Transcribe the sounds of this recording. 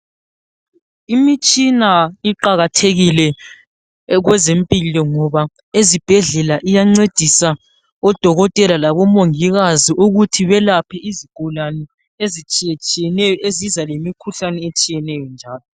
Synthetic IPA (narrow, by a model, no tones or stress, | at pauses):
imit͡ʃʼinaiǃaɣatʰeɣilɛ | ɣwɛzempʼilɔŋɔβa | ezib̥ʱɛɮɛlaʔijaŋ͡ǀed̥ʱisa | ɔd̥ʱɔɣɔtʼɛlalaβɔmoŋiɣaziʔuɣutʰiβɛlapʰɛiziɡ̥ʱulanɛ | ezit͡ʃʼiɛt͡ʃʼijɛnɛjɔʔezizalemikʰuɬanɛet͡ʃʼijɛnɛjɔnd͡ʒʱaːlɔ